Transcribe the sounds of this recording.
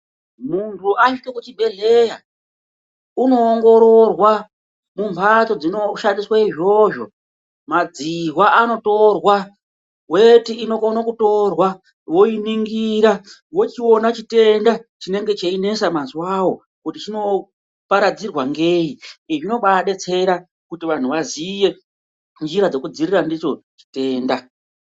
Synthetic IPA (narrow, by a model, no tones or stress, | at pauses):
muntʰuʔaʃikokut͡ʃibʱe̞ɮe̞ja | uno̞ːŋɡo̞ɾo̞rwa | mumpʰat͡so̞d͡zino̞ʃandiswaiʐo̞ʐo̞ | mad͡ziɦwaʔano̞to̞rwa | we̞tiːno̞konakuto̞rwa | wo̞iniŋɡiɾa | wo̞t͡ʃiwo̞nat͡ʃite̞ndat͡ʃine̞ŋɡe̞t͡ʃeine̞samaziwawo̞ | kutit͡ʃino̞ | paɾad͡zirwaŋɡe̞ːiiʐino̞ɓaɗe̞t͡se̞ɾa | kutiʋan̤uʋazije̞ | nd͡ʒiɾad͡zo̞kud͡zirirandit͡ʃo̞t͡ʃi̥te̞ːnda